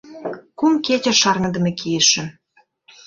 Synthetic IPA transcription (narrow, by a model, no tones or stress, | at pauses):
kumketʲĕʃɑrŋə̆d̪ə̆mĕkijeʃə̆